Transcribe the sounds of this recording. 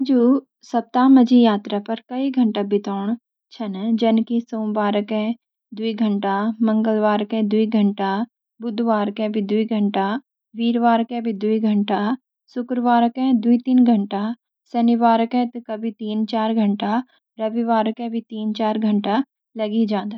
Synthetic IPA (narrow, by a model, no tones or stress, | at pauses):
d͡ʒuː | sɐp̚t̪aːmɐd͡ʒijaːt̪ɾapɐɾkɐiɡʱɐ̃ɳʈabɪt̪ɔːɳ̃ | t͡ʃʰɐnd͡ʒɐnkisõːmbaːɾəkɛ̃ | d̪uiɡʱɐɳʈamɐ̃ŋɡəlʋaːɾkɛ̃d̪uiɡʱəɳʈa | bʊd̪ʱʋaːɾkẽbʱid̪uiɡʱəɳʈa | ʋiːɾʋaːɾkɛ̃bʱid̪uiɡʱɐɳʈa | sʊkɾəʋaːɾəkɛ̃d̪uit̪iːnɡʱəɳʈa | sɐniʋaːɾəkɛ̃t̪ukɐbʱit̪iːnt͡ʃaːɾɡʱɐɳʈa | ɾɐʋiʋaːɾəkɛ̃bʱit̪iːnt͡ʃaːɾɡʱɐɳʈa | lɐɡid͡ʒãːnd̪a